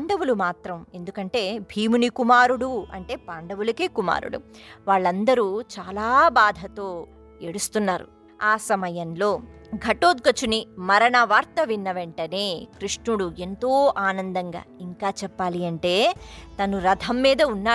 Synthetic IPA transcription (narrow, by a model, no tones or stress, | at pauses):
ɳɖɐʋulumaːt̪ɾɐme̞nd̪ukɐɳʈe̞ːbʱiːmunikumaːɾuɽuɐ̰ɳʈe̞ːpaːɳɖɐʋulɐkeːkuma̰ːɾṵɽṵʋaːɭːɐnd̪ɐɾuːt͡ʃaːlaːbaːd̪ʱɐt̪o̞ː | eɽust̪unːaːɾṵ | aːsɐmɐjɐnlo̞ː | ɡʱɐʈoːd̪̚ɡɐt͡ʃunimɐɾɐɳɐʋaːɾt̪ɐʋinːɐʋeɳʈɐne̞ːkɾiʂɳuɽue̞nt̪oːʔaːnɐnd̪ɐŋɡa̰ːiŋkaːt͡ʃɛpːaːliɐɳʈe̞ːt̪ɐnuɾɐd̪ʱɐmːiːd̪ɐunːaː